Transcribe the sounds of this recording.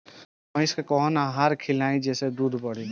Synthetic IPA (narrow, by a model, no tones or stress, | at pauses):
ʌ̃jskekɔɦɔnaɦaɾkʰilaĩd͡ʒesed̪ud̪ʱbɔɽ̤i